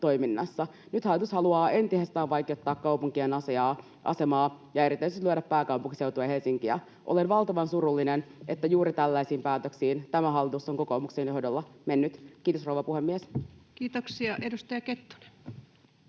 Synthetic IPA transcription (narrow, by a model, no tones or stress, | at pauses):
t̪o̞jminːɑsːɑnyt̪hɑlːit̪ushɑluɑːe̞nt̪isest̪æːʋʋɑjkeot̪ːɑːkkːɑupuŋkienɑsiɑː | ʔɑ̰semɑː | jɑe̞ɾit̪øysyt̪lyøɾæpːæːkɑwpuŋkise̞uwt̪uɑhe̞lsiŋkiæ | ʔole̞nʋɑlt̪ɑʋɑnsuɾulːinenet̪ːæjuːɾit̪ælːæisiːmpæːt̪øksiːnt̪æmæɦɑlːit̪usoŋko̞koːmuksenjo̞hdolːɑmenːyt̪k̟iːt̪osrowʋɑpuhemːieskiːt̪oksiɑʔedust̪ɑjɑket̪ːo̥ne̥